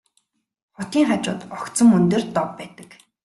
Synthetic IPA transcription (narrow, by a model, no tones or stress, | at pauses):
χʊt̪iːŋχat͡ɕʊ̰ːt̪ɔkt̪sɞ̆mɵnt̪ĕːrt̪ɔpːæːt̪ə̥̆k